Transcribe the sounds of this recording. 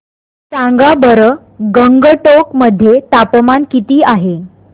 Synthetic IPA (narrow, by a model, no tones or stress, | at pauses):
t̪ãŋɡabəɾə | ɡəŋɡəʈokməd̪ʱːjet̪apəmankit̪iːaɦe